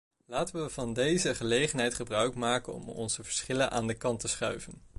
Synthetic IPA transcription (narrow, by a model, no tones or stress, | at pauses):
laːtəʋəvɑndejzəχəlejχənɦɛjtχəbrœɥkmaːkənɔ̰mɔ̰nzəvəɹsχɪlənʔa̰ːndəkɑntəsχœɥvən